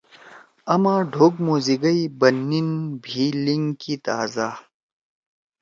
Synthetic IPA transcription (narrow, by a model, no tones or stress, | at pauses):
ɐmãːɖʱoːɡmoːziɡɐibɐnːinbʱiːliŋkit̪aːza